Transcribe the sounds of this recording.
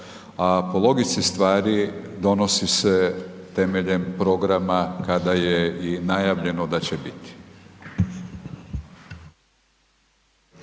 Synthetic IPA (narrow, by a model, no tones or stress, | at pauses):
apolˠo̞ɡisist̪ʋaːɾid̪o̞no̞siset̪e̞me̞ʎe̞mpɾo̞ɡɾamakad̪ajeinajaːʋʎe̞no̞d̪at͡ɕebit̪i̥